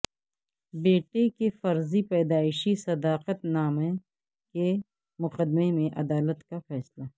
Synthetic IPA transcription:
beːʈekefɐɾzipɛːd̪aːɪʃisɐd̪aːqət̪naːmẽ | ke | mʊqəd̪memẽʔɐd̪aːlət̪kafɛːslaː

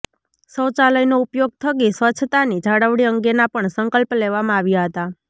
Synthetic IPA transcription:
səwt͡ʃaləjnoupjoɡ̚t̪ʰəkisʋət͡ʃʰt̪anid͡ʒʱaɽəʋɽiəŋɡenapəɳsəŋkəlpleʋamãaʋjaɦət̪a

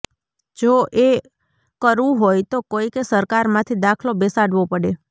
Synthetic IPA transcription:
d͡ʒoʔe | kəɾʋũɦojt̪okoikesəɾkaɾmãt̪ʰid̪akʰlobesaɽʋopəɽe

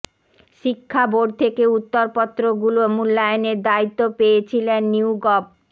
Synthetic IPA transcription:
ʃikʰːaboɖ̚t̪ʰekeut̪ːoɾpɔt̪ːɾoɡulomulːajoneɾd̪ait̪ːopejet͡ɕʰilenːiɡɔb̚

